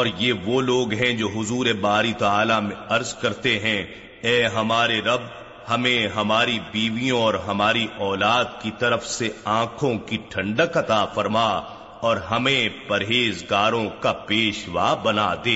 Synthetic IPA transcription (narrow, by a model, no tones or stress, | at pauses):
ɔːɾjeʋoːloːɡɦɛ̃d͡ʒoːɦʊzuːɾebaːɾit̪aːlamẽɐɾzkɐɾt̪eɦɛ̃ | ɛːɦɐmaːɾeɾɐb̚ | hɐmẽɦɐmaːɾibiːʋijõɔːɾɦɐmaːɾiʔɔːlaːd̪kit̪ɐɾəfseãːkʰõkiʈʰɐ̃ɳɖəkɐt̪afɐɾma | ɔːɾɦɐmẽpɐɾɦeːzɡaːɾõkapeːʃʋa̰ːbɐna̰d̪eː